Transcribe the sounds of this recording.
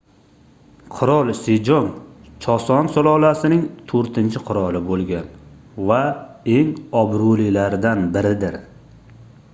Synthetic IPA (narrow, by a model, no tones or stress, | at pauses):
qʰʊɾɒlˠsed͡ʒɒnt͡ʃʰɒsɒnsolˠɒlˠasɪnɪŋt̪ʰoɾt̪ʰɪnt͡ʃʰɪqʰʊɾɒlˠɪbolˠɡʲan | vae̞ŋɒbɾʊlɪlaɾd̪anbɪɾɪd̪ɪɾ